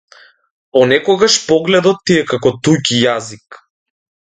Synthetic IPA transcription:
ɔnɛkɔɡaʃpɔɡlɛd̪ɔt̪ːiɛkakɔt̪ujcijazik

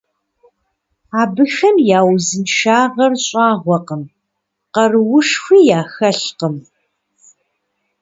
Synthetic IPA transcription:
aːbɨxɐmjaːwzɨnʃaːʁɐrɕʼɑːʁʷɔqəm | qɐrwʊʂxʷiːjaːxɐɬqəm

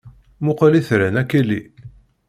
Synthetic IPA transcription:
mʊqaliθɾənækːilːi

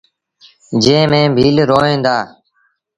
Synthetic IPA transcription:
d͡ʒẽːmẽːbʱiːlɾoːẽːnd̪aː

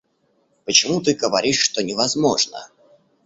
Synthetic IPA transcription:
pət͡ɕɪmut̪̬ɨɡəvɐɾʲiʂːt̪onʲɪvɐzmoʐnə̰

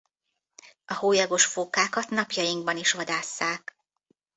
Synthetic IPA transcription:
ɒhoːjɒɡo̞ʃfoːkaːkɒt̪nɒpjɒjiŋɡ̚bɒniʃʋɒd̪aːsːaːk

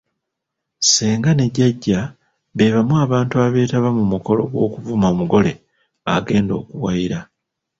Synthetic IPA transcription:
seːŋɡane̞ɟaɟːa | βe̞ːβamuaːβaːntuaβe̞ːtaβamumuko̞lo̞ɡwo̞ːkuvumoːmuɡo̞le̞ | a̰ɡe̞ːndo̞ːkuwajiɾa

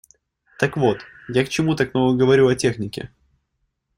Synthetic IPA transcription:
t̪əkvo̞t̪ | jakt͡ɕɪmut̪aknoɡəɡəvɐɾʲuɐtʲe̞xnʲɪkʲɪ̰

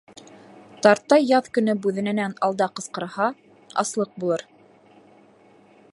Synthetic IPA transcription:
t̪ɑɾt̪ːɑjjːɑðkɵ̆nɵbʉðɘ̆nɘ̆nænɑlˠd̪ɑqɤ̆sqɤ̆ɾhɑ | ɑ̰slˠɤq̚bulˠɤɾ

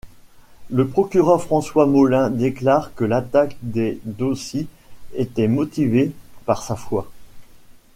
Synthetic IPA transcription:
ləpχɔkʲyʁœʁfχɑ̃swamɔlɛ̃d̪eklaʁkəlat̪akd̪ed̪osje | et̪ɛmɔt̪ivepaʁsafwa

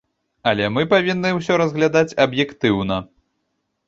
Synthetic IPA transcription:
ɐlʲɛmɨpavʲinːɨws̬ʲɔɾɐzɣlʲad̪at͡sʲɐbjɛkt̪ɨwnɐ

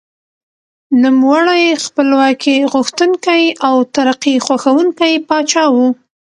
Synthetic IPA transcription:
numwaɽajxpəlwɑkʰeɣʊxt̪uŋkajawt̪aɾaqixwaxawuŋkajpɑt͡ʃɑwu

